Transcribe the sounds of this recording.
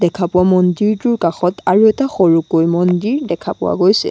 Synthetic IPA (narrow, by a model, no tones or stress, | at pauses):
dɛkʰapʊwamɔndiɹtʊɹkaxɔtʰaɹuɛtaxɔɹukojmɔndiɹdɛkʰapʊwa̰ɡojsɛ̰